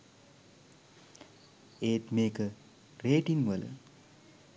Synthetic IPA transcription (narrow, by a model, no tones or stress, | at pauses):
eːt̪mekə | reʈinʋələ̰